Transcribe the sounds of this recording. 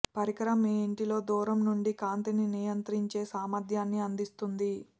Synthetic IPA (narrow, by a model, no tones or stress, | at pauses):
pɐɾikɐɾɐmiɳʈilo̞ːd̪uːɾɐmnuɳɖikaːnt̪ininijɐnt̪ɾiɲt͡ʃe̞ːsaːmɐd̪ʱjaːnːiɐnd̪ist̪und̪i